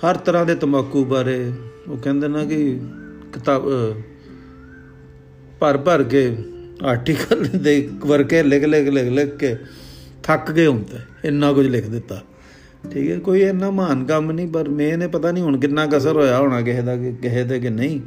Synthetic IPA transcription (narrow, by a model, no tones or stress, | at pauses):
həɾt̪əɾãːd̪eːt̪əməkːuːbaːɾeːoːkɛ̃ːnd̪eːnãːkɪkɪt̪aːb | pəɾpəɾk̬eːaːɾʈiːkəld̪eːkʋəɾkeːlɪkʰlekleklekket̪ʰəkɡeːɦʊ̃nt̪eː | ɪnːãːkʊd͡ʒlɪkʰd̪ɪt̪ːaː | ʈʰiːkɛ̰ːkoːiːenːãːmaːnkəmnĩːpəɾmɛ̃ːneːpət̪aːnĩːɦʊɳkɪnːãːkəsəɾɦoːjaːɦoːɽ̃aːk̬ɪɦeːd̪aːkkɪɦeːt̪̬eːk̬ɪnəĩː